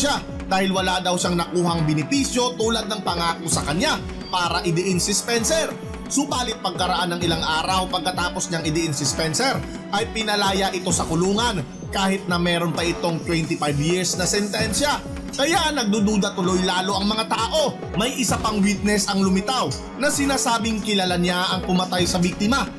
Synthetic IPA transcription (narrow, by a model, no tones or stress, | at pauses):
ʃa | d̪aːhɪlwɐlad̪ɐwʃaŋnɐkuːɦɐŋbɪnɪpisjo̞t̪uːlɐd̪̚nɐŋpɐŋaːkosɐkɐɲa | paːɾɐʔɪd̪ɪʔɪnsɪspɛnsɛɾ | sʊbaːlɪt̪̚pɐɡ̚kɐɾɐʔanːɐŋɪlaŋʔaːɾɐwpɐɡ̚kɐt̪aːpo̞sɲaŋɪd̪ɪʔɪnsʊspɛnsɛɾ | ʔɐjpɪnɐlaːjaʔɪt̪o̞sɐkʊluːŋɐn | kaːhɪt̪̚nɐmɛːɾo̞npɐʔɪt̪o̞ŋt̪wɛnt̪ɪfajbjɪɹsnɐsɛnt̪ɛnsjɐ | kɐjaʔnɐɡ̚d̪ud̪uːd̪ɐt̪ʊlo̞jlaːlo̞ʔɐŋmɐŋat̪aːʔo̞ | mɐjʔɪsapɐŋwit̪̚nɛsɐŋlʊmɪt̪aw | nɐsɪnaːsaːbɪŋkɪlɐlaɲaʔɐŋpʊmɐt̪ajsɐbik̚t̪ɪmɐ